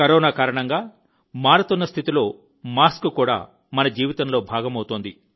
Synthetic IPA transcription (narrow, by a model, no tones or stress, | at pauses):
kɐɾɔːnaːkaːɾɐɳɐŋɡaː | maːɾɐt̪unːɐst̪ʰit̪ilo̞ː | maːskukuːɽa̰ː | mɐnɐd͡ʒiːʋit̪ɐmlo̞ːbʱaːɡɐmɐwut̪oːnd̪i